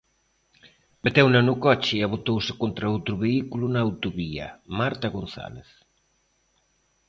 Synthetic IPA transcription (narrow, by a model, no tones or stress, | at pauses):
bet̪ɛwnanukɔt͡ʃɪaβ̞ot̪owsɪ̥kont̪ɾaowt̪ɾuβeikulunaːwt̪uβiɐ̰maɾt̪aɣon̟θa̰leθ